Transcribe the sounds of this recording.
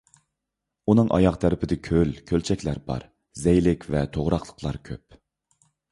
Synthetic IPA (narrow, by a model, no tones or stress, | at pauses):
unɨŋʔɑ̰jɑqt̪ʰæɾɪpʰɪd̪ɪkʲʰølkʲʰølt͡ʃʰɛkʲlæɾbɑ̰ɾ | zɛjlɪkʲʰvɛt̪ʰoʁɾɑqlˠə̥qʰlˠɑ̰ɾkʲʰø̰p̚